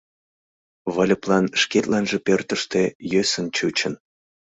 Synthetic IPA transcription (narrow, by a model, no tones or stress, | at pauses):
βəlʲə̆plɑnʃket̪lɑnʒĕpørt̪əʃt̪ejøsə̆nt͡ɕut͡ɕən